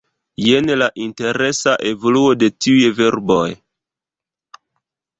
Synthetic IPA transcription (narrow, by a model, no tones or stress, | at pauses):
je̞nlaʔinte̞ɾe̞saʔe̞vo̞luo̞de̞tiujve̞ɾbo̞j